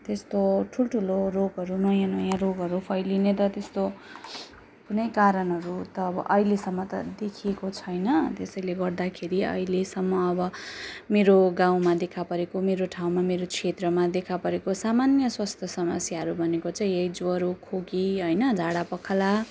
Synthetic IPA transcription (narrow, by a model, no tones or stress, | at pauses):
t̪est̪oʈʰulʈʰuloropɦʌɾunʌjanʌjãropɦʌɾupʰʌjlinet̪ʌt̪est̪o | kunʌjkaɾʌnɦʌɾut̪ʌːbʌ̰ʔʌilesʌmːʌt̪ʌ̰d̪ekʰiekot͡sʰʌjnʌt̪esʌjleɡʌrd̪akʰeɾiʌ̰ɦilesʌmːʌːbʌmeɾoɡãw̃mad̪ekʰapʌɾekomeɾoʈʰaw̃mameɾot͡sʰet̪rʌmad̪ekʰapʌɾekosamanjʌswast̪ʰjʌsʌmʌsjaɦʌɾubʱʌnekot͡sãj̃jʌjd͡zwʌɾokʰoɡiɦʌjnʌd͡zʱaɽapʌkʰala